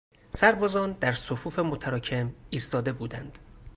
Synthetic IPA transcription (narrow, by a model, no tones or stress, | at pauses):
sæɾbɒːzɒːnd̪æɾsofuːfe̞mot̪ʰæɾɒːcʰe̞miːst̪ɒːd̪e̞buːd̪ænd̪̥